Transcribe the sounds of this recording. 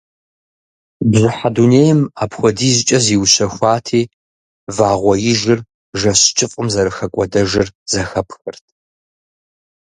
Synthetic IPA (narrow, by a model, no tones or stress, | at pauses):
bzɨħaduneːjɪmaːpʰxʷɔdiːzɪt͡ʃʼɐziwɕɐxʷaːtʰiː | vaːʁʷɔjɪʒɪr | ʒɐɕt͡ʃʼɨfʼɨmzɐɾɨxɐkʷʼɔdɐʒɪɨrz̥ɐxɐpʰxɨrtʰ